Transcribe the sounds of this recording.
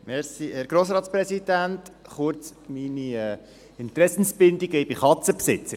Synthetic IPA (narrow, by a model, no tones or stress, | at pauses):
mɛɾsiɛːɾɡ̥ɾoːsɾɑːt̪spɾɛsid̪æntχʊɾt͡sminiɛː | ɪnt̪ɾɛsn̩sb̥ɪnd̪iɡəjbɪχɑt͡səpsɪt͡səɾ